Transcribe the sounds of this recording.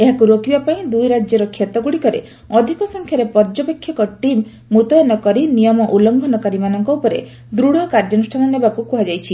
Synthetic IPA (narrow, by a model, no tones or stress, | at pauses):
eɦakuɾokibapaĩd̪ujɾad͡ʒjɔɾɔkʰjet̪ɔɡuɽikɔɾḛ | ɔd̪ʱikɔsɔŋkʰjaɾepɔɾd͡ʒɔpekʰjɔkɔʈimː | ut̪ɔjɔnɔkɔɾinijɔmɔʔulɔŋɡʱɔnɔkaɾimanɔŋkɔupɔɾḛ | d̪ɾuɽ̤ɔkaɾd͡ʒɔnusʈʰanɔnebakukuɦad͡ʒajt͡ʃʰi